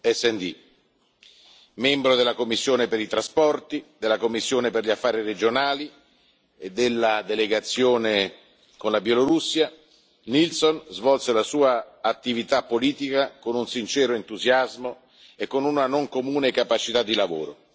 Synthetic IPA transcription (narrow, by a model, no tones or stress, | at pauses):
ɛsːɛnd̪i | mɛmbɾod̪elːakomːisːjoːnepeɾit̪ɾaspɔrt̪id̪elːakomːisːjoːneperʎafːaːɾired͡ʒonaːli | ed̪elːad̪eleɡat̪sːjoːne | konlabjɛloɾusːja | nilsonzvɔlselasuːaːt̪ːivit̪apːoliːt̪ikakonunsint͡ʃɛːɾoent̪uzjazmo | ekːonunanoŋkomuːnekapat͡ʃit̪ad̪ːilavo̰ːɾo